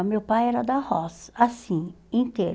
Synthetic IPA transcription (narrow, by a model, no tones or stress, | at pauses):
mewpajɛɾɐd̪ahɔsasĩ | ĩnt̪eɾ